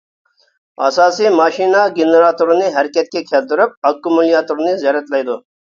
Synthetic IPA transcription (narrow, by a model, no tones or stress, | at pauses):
ɐ̰saːsimaːʃiːnaːɡenɾaːt̪uɾniɦɐɾkʲɐt̪̚kʲekʲʰeld̪ʊɾəp̚ɐkːumulijaːt̪uɾnizjɐɾɐt̪lɐjd̪oː